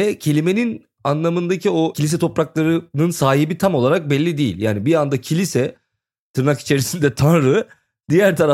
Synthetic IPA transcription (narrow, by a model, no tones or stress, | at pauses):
ɛcʰe̞lʲime̞nin | anlˠamɯnd̪acʰio̞cʰilʲis̬ɛt̪ʰo̞pɾaklˠaɾɯnɯnsaːɦibit̪ʰamo̞lˠaɾak̚bɛlʲːid̪ejḭlʲjaːnibiand̪acʰilʲisɛ | t̪ʰɯɾnaki̥t͡ʃʰe̞ɾisind̪ɛt̪ʰanɾɯ | d̪ijæɾt̪ʰaɾa